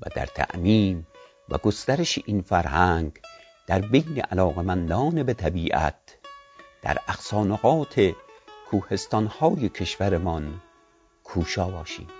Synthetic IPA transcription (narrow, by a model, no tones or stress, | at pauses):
væ̰d̪æ̰ɾt̪ʰæ̰ʔmiːm | væ̰ɡost̪æɾeʃeʔinfæɾhæŋɡ | d̪̥æɾbejneʔælɒːɣemænd̪ɒːnebet̪ʰæbiːʔæ̰t̪̚ | d̪̥æ̰ɾæxsɒːnoɣɒːt̪ʰekʰuːhe̞st̪ɒnhɒːjekʰeʃvæɾemɒn | kʰuːʃɒːbɒːʃḭːm